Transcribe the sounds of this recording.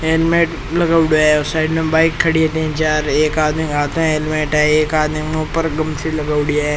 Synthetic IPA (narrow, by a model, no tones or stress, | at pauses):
eːlmẽːʈ | lɐɡaːʊɽiaɦɛosaːɪɖmẽbaːɪkʰːɐɽiet̪ĩɛ̃t͡ʃaːɾeːkaːd̪miaːt̪õeːlmẽːʈɛeːkaːd̪mipəɾɡɐmsilɐɡaːʊɽijaɦɛ